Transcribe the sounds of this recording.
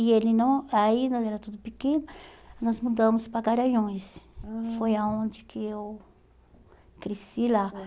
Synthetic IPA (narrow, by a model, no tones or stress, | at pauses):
ɪelɪnɐ̃w̃ainɔzɛɾɐt̪ud̪ʊpikẽnʊnɔzmud̪ɐ̃mʊspaɡaɾajõj̃sfojaõnd͡ʒɪkɪew | kɾesila